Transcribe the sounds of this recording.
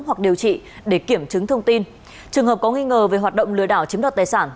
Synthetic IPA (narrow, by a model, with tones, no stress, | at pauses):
hwa˨˩k̚ɗi˨˩əwt͡ɕḭ˧˨ɗe˧˩ki˧˩əmt͡ɕɨ˨˦ŋt̪ʰə˧wŋ͡mt̪i˧n | t͡ɕɨ˨˩əŋɦəː˨˩p̚kɔ˨˦ŋi˧ŋəː˨˩ve˨˩ɦwaː˨˩t̚ɗə̰˧˨wŋ͡mlɨ̰˧˨əɗaː˧˩wt͡ɕi˨˦əmɗaː˨˩t̚t̪ːjsaː˧˩n